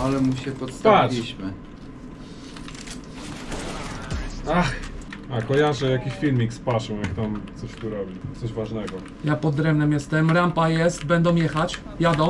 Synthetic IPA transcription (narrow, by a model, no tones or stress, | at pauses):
alɛmuɕɛpɔt̪aiɕmɘ | axakɔjaʐɛjakʲiɕfʲilmʲikspaʂɛwjakt̪amt̪sɔɕt̪uɾɔbʲit̪sɔʑvaʐnɛɡɔ | japɔd̪ɾɛmnɛmjɛst̪ɛmɾampajɛst̪bɛnd̪ɔ̃w̃jɛxat͡ɕ | jad̪ɔ̃w̃